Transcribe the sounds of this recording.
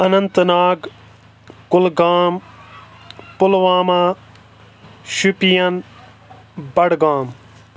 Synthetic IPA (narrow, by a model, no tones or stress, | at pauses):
ɐnɐnt̪naːɡ | kʊlɡaːm | pʊlʋaːmaː | ʃupijɐn | bɐɽɡaːm